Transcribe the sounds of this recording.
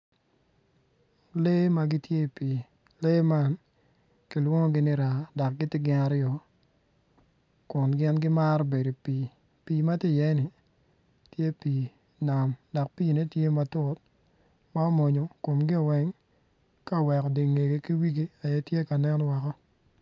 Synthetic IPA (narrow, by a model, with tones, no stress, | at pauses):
le˦ma˦ɡɪ˦tje˦˨pi˨ | le˦ma˦n | kɪ˨lwo˦ŋɔ˦ɡɪ˦nɪ˦ɾa˨dɔ˨k̚ɡɪ˦tɪ˦ɡɪ˦na˨˦ɾjɔ˨ | kʊ˨nɡɪ˦nɡɪ˦ma˦ɾɔ˦be˨do˨pi˨ | piː˨ma˦tɪ˦˨jɛ˦nɪ˨ | tje˦piː˨ | na˨mdɔ˨k̚pi˦˨ne˦tje˦ma˨tʊ˦t̚ | ma˦ɔ˦mo˨ɲo˨ko˨mɡɪ˦ɔ˨wɛ˦ŋ | ka˦˨wɛ˨kɔ˨de˨ŋe˨ɡe˨ki˦wi˦ɡe˦a˨jɛ˦tje˦ka˨nɛ˦n˦wa˨kɔ˦